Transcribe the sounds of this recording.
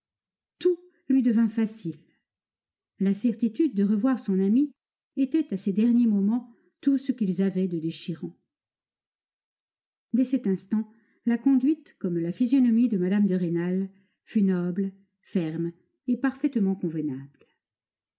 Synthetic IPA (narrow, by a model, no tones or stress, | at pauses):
t̪u | lɥid̪əvɛ̃fasil | lasɛʁt̪it̪yd̪̚ːəʁəvwaʁsɔ̃nami | et̪ɛt̪ased̪ɛʁnjemɔmɑ̃ | t̪usəkʲilzavɛd̪əd̪eʃiʁɑ̃ | d̪ɛsɛt̪ɛ̃st̪ɑ̃ | lakɔ̃d̪ɥit̪kɔmlafizjɔnɔmid̪əmad̪amd̪əʁenal | fynɔbl | fɛʁm | epaʁfɛt̪mɑ̃kɔ̃vənabl